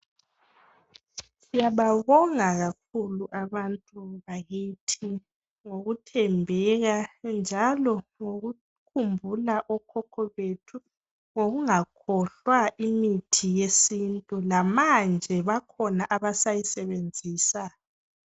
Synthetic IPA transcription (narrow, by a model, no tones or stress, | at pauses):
sijaβaβɔŋaɣak̚ʰuluʔaβantʼuβajitʰi | ŋoɣutʰɛmbʱɛɣand͡ʒʱalɔŋoɣu | kʰumbʱulaʔɔkʰɔkʰɔβetʰu | ŋoɣuŋakʰɔɬwaʔimitʰijesintʼulamand͡ʒʱɛβakʰɔnaʔaβasajisɛβend͡zʱiːsa